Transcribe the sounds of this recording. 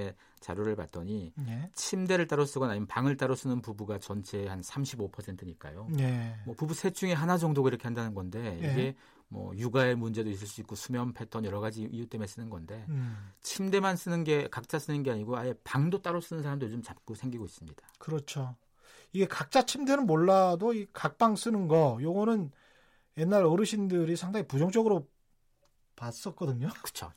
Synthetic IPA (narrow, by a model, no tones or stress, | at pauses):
e | t͡ɕa̰ɾjoɾɯɭpa̰t̚t͈ʌɲit͡ɕʰimde̞ɾɯɭt͈aɾos͈ɯɡʌnaɲimpaŋɯɭt͈aɾos͈ɯnɯnpubuɡat͡ɕʌnt͡ɕʰe̞hansʰamɕʰibopʰʌsʰe̞ntʰɯɲik͈a̰jonemwʌpubusʰe̞t͡ɕʰuŋe̞ɦanad͡ʑʌŋdoɡaiɾʌkʰe̞handanɯnɡʌnde̞iɡe̞ | mwʌ̰juɡae̞mund͡ʑe̞dois̬͈ɯɭs͈uik͈osʰumjʌmpʰe̞tʰʌnjʌɾʌɣad͡ʑiijut͈emes͈ɯnɯnɡʌnde̞t͡ɕʰimde̞mans͈ɯnɯnɡe̞kak̚t͡ɕ͈as͈ɯnɯnɡe̞aɲiɡoajepaŋdot͈aɾos͈ɯnɯnsʰaɾamdojd͡ʑomt͡ɕap̚k͈osʰe̞ŋɡiɡois͈ɯmɲid̥akɯɾʌt͡ɕʰo | iɡe̞kak̚t͡ɕ͈at͡ɕʰimdenɯnmoɭːadoikak̚p͈aŋs͈ɯnɯnɡʌjoɡʌnɯn | je̞nːaɾʌɾɯɕʰindɯɾisʰaŋdaŋipud͡ʑʌŋd͡ʑʌɡɯɾo | pas͈ʌt̚k͈ʌdɯɲokɯ̥t͡ɕʰo̰